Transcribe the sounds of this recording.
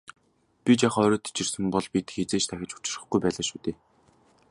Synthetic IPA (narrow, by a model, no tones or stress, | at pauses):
pʲit͡ɕaχɔːɾɔːt̪ʰi̥t͡ɕɪ̆rsɘ̆mpɔɮpit̪xet͡seːt͡ɕt̪ʰæxʲɪ̆t͡ɕʊ̥t͡ɕɪ̆rə̆χɡujpæːɮaːʃuːt̪eː